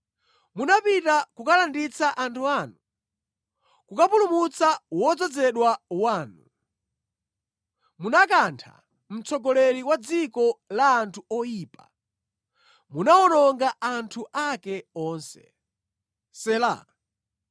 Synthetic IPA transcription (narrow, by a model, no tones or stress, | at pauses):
munapitakukalandit͡saʔantʰuanu | kukapulumut͡sawɔd͡zɔd͡zɛɗwawaːnu | munakantʰa̰ | m̩t͡sɔɡɔlɛɾiwad͡zikɔlaːntʰuɔjiːpa | munaɔnɔŋɡaantʰuʔakɛɔːnsɛ̥̰ | sɛla̰